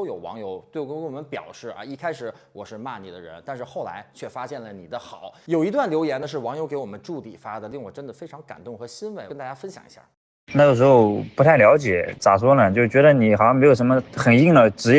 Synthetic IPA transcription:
o˥ʊjo˨˩ʊwɑ̰˧˥ŋjo˧˥ʊt̪we˥˩kə˥kə˥nwɔ˨˩mə˦npjɑ̰˨˩ʊʂɻ̩˥˩ɐ̰˧˥i˥kʰa˥ɪʂɻ̩˨˩˦ | wɔ˨˩ʂɻ̩˥˧ma˥˧ni˨˩d̪ə̰˦ɻə̰˧˥nt̪a˥˧nʂɻ̩˥˧xo˥˩ʊla̰˧˥ɪt͡ɕʰɥɛ˥˩fa˥ɕjɛ˥˩nlə˩ni˨˩d̪ə˦xɑ˨˩˦ʊjo˨˩ʊi˧˥t̪wa˥˩nljo˧˥ʊjɛ˧˥nd̪ə˧ʂ̬ɻ̩˥˩wɑ˧˥ŋjo˧˥ke˧˥ɪwɔ˨˩mə˦nʈ͡ʂu˥˩t̪i˨˩fa˥d̪ə˨li˥˩ŋwɔ˨˩ʈ͡ʂə˥nd̪ə˨fe˥ɪʈ͡ʂʰɑ˧˥ŋka̰˨˩nt̪ʊ˥˩ŋxɤ˧˥ɕi˥nwe˧˥˩ɪ˥nt̪a˥˧˩ja˥fə˥nɕjɑ̰˨˩ŋḭ˧˥ɕja̰˥˩ | na˥˩jo˨˩ʂɻ̩˧˥xo˧ʊpu˧˥t̪ʰa˥˩ɪljɑ˧˥ʊt͡ɕjɛ˨˩˦t͡sa˨˩swɔ˥lə˨˩t͡ɕo˥˩ʂt͡ɕɥɛ˧˥d̪ə˧ni˨˩xɑ˨˩ɕjɑ˥˧ŋm˧˥jo˨˩ʊʂə˧˥mə˧xə˨˩ni˥˩ŋd̪ə˨˧˩ʈ͡ʂɻ̩˧˥

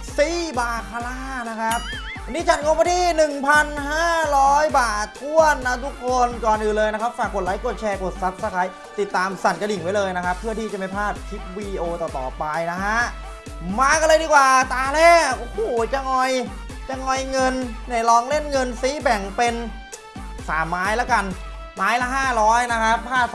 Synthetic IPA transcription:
siː˦˥˩baː˨˧˩kʰa˧laː˧˥˩na˦˥kʰa˦˥p̚ | a˧nːiː˦˥t͡ɕʰa˧˥˩nkʰo˧maː˧˥˩t̪ʰiː˥˩nɯ˨˩ŋpʰa˧nɦaː˥˩ɾɔː˦˥jbaː˨˩t̪̚ʰu˥˩ənːa˦˥t̪ʰu˦˥kʰːo˧nkɔː˨˩nʔɯː˨˩nlɤː˧jna˦˥kʰa˦˥p̚faː˨˩kːo˨˩t̪̚laː˨˦jko˨˩t̪̚t͡ɕʰɛː˧ko˨˩t̪̚sa˦˥p̚sa˧kʰa˦˥j | t̪i˨˩t̪ːaː˧msa˨˩nka˧di˨˩ŋwa˦˥jlɤː˧jna˦˥kʰa˦˥pʰːɯ˥˩ɐt̪ʰiː˥˩t͡ɕa˨˩ma˥˩jpʰaː˥˩t̪̚kʰi˦˥p̚wiː˧ʔoː˧t̪ɔː˨˩t̪ɔ̰ː˨˩pa˧jna˦˥ɦʰa˦˥ʔ | maː˧ka˧lɤː˧diː˧kwaː˨˩t̪aː˧lɛː˦˥˩o˧˩hoː˨˩t͡ɕa˧ŋɔ˧j | t͡ɕa˧ŋɔ˧jŋɤ˧nːa˧˩jlɔː˧ŋle˥˩nŋɤ˧nsi˦˥bɛ˨˩ŋpe˧n | saː˩˦mːaː˦˥jla˦˥ka˧n | maː˦˥jla˦˥ɦaː˥˩ɾɔː˦˥jna˦˥kʰa˦˥pʰːaː˥˩

